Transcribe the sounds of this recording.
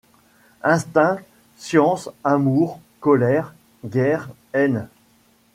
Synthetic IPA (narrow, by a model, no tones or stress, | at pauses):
ɛ̃st̪ɛ̃ | sjɑ̃samuʁ | kɔlɛʁ | ɡʲɛʁ | ɛn